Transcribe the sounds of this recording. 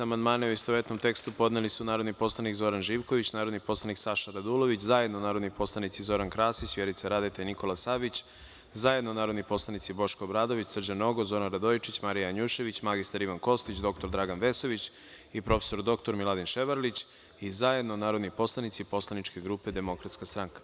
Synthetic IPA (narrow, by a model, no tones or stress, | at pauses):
amand̪maːneuist̪oʋet̪nomt̪e̞kst̪upo̞d̪nelisunaːɾo̞d̪nipo̞slˠanikzo̞ɾanʒiːʋko̞ʋit͡ɕnaːɾod̪nipo̞slˠaniksaʃaɾad̪ulo̞ʋit͡ɕzaje̞d̪nonaːɾod̪nipo̞slˠanit̪sizo̞ɾankɾaːsit͡ɕʋjeɾit̪saɾad̪et̪eniko̞lˠasabit͡ɕ | zaje̞d̪nonaːɾo̞d̪nipo̞slˠanit̪sibo̞ʃkoːbɾaːd̪o̞ʋit͡ɕsr̩d͡ʑano̞ɡozo̞ɾanɾad̪ojit͡ʃit͡ɕmaɾijaaɲuʃe̞ʋit͡ɕmaɡist̪aɾiʋanko̞st̪it͡ɕd̪o̞k̚t̪o̞ɾd̪ɾaɡanʋe̞so̞ʋit͡ɕ | ipɾo̞fesoɾd̪o̞kt̪o̞ɾmilˠad̪inʃeʋaɾlit͡ɕ | izaje̞d̪nonaːɾo̞d̪nipo̞slˠanit̪sipo̞slˠanit͡ʃke̞ɡɾupe̞d̪e̞mo̞kɾat̪skast̪ɾaŋkḁ